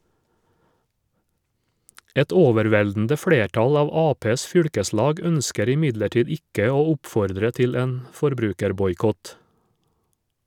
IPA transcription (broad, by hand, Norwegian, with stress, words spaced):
ˈɛt ˈoːʋɛɾˌʋɛldn̩də ˈfɽeːˌʈɑl ˈɑːʋ ˈɑːpeːs ˈfʏɽkəˌslɑːɡ ˈœnskəɾ ɪˈmɪdləˌʈiːd ˈɪkə ˈoː ˈʊpfɔɾdɾə ˈtɪl ˈeːn fɔɾˈbɾʉːkəɾbɔjˌkɔt